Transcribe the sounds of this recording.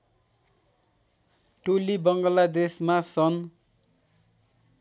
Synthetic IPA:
ʈolibʌŋɡʌlad̪esmasʌn

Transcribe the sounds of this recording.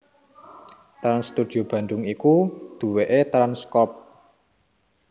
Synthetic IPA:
t̪ɾanst̪ud̪̥i̤ob̥ä̤nd̪ʊŋikud̪̥ṳweʔet̪ɾanskɔp̚

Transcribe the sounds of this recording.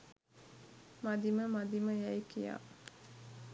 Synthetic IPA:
mad̪iməmad̪iməjæikija̰ː

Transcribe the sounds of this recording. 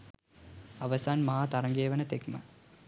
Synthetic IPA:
aʋəsaːnmɐɦaːt̪aɾɐŋɡeːʋənət̪ekmə

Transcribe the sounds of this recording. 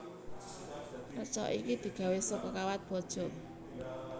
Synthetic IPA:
prət͡ʃɔ̰ʔikid̪̥i̤ɡ̥ä̤wesɔkɔkawat̪̚b̥ɔ̤d̥ʒ̥ɔ̤

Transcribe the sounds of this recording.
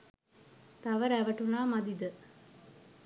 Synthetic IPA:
t̪aʋəɾæʋəʈulaːmad̪id̪ə

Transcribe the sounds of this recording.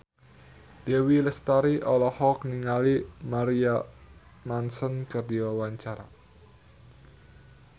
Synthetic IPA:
d̥ewiləst̪aɾiʔɔlɔhɔkniŋalimaɾia | mansɔnkərdiwawaɲt͡ʃaɾa̰

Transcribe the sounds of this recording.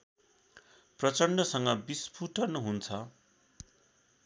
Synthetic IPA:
prʌt͡sʌɳɖʌsʌŋɡʌbispʰuʈʰʌnɦunt͡sʰʌ

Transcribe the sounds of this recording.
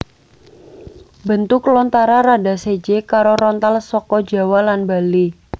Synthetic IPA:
bənt̪ʊklɔnt̪aɾaɾada̤sed͡ʒekaɾoɾɔnt̪alsɔkɔd͡ʒa̤walanbali

